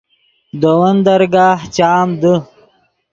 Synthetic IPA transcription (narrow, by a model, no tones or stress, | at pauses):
d̪əwɐnd̪ɐɾɡaːht͡ɕaːmd̪ə